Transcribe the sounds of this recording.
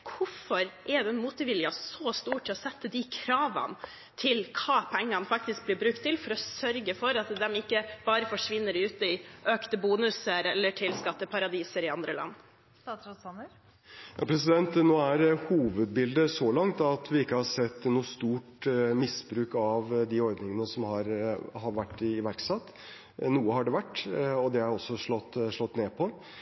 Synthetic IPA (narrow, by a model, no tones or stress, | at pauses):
kʰʊfɔɾʔɛd̪ɛmuːt̪əʋɪljɑsɔst̪uːʈʰːɪɔsɛt̪ːəd̪ɪkʰɾɑːʋɑ̰n | t̪ʰɪlkʰɑːpʰɛŋːɑnfɑk̚t̪ɪsk̚blɪɾbɾʉk̚t̪ʰːɪlfɔɾɔsœɾɡəfɔɾɑt̪d̪ɛmɪkːəb̥ɑːɾəfɔʂʋɪnːəɾʉːt̪əɪʔøːkt̪əbuːnʉsəɾɛlːəʈʰɪlskɑt̪ːəpʰɑɾɑd̪iːsəɾɪɑnd̪ɾəlʔɑ̰nː | ssnə | jjɑ̰pʰɾɛs̬ɪd̪ɛnt̪noːæɾhuːʋəd̪̚bɪld̪əsɔlɑŋt̪ɑt̪ʋɪɪkːəhɑɾsɛt̪ːnuːst̪uːʈmɪsbɾʉːkɑʋd̪ɪɔɾd̪nɪŋənəsɔmhɑɾhɑɾʋæʈːɪːʋæɾksɑt̪ | nuːəhɑɖɛʋæʈːɔd̪ɛæɾɔsːɔʂɭɔt̪ːʂɭɔt̪ːneːpʰɔ